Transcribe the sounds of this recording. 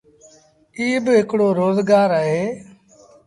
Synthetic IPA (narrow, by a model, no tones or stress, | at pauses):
iːbɪɦɪkɽoːɾoːzɡaːɾaɦeː